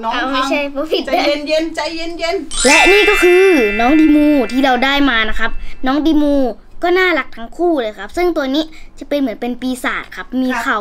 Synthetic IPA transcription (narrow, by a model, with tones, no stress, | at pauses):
a˧˩ma˥˩t͡ɕʰa˥˩jpʰɔː˧˥˦pʰi˨˩t̪a˧nje˧˥nt͡ɕa˧jje˧˥˨nje˧˨nlɛ˦˥niː˥˩kɔː˥˩kʰɯː˧nɔː˦˥ŋdiː˧muː˧t̪ʰiː˥˩ɾa˧wdaː˥˩jmaː˧na˦˥kʰa˦˥p̚nɔː˦˥ŋdiː˧muː˧ | kɔː˥˩naː˥˩la˨˦˩k̚t̪ʰa˦˥ŋkʰuː˥˩lɤː˧jkʰa˦˥p̚sɯ˥˩ŋt̪u˧əniː˦˥t͡ɕa˨˩pe˧nmɯ˩˦ənpe˧npiː˧sa̰ː˨˩t̪̚kʰa˦˥p̚miː˧kʰa˨˩w